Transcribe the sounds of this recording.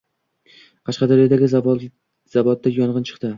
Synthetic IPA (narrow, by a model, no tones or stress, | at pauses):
qʰɑʃqɑd̪ɒɾjɒd̪aɡʲɪz | z̥avɒt̪ːajɒɴʁɨnt͡ʃʰɨ̥qt̪ɪ